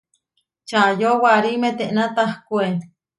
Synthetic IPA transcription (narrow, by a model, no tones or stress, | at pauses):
t͡ʃajowaɾimet̪eʔnat̪ahkʷe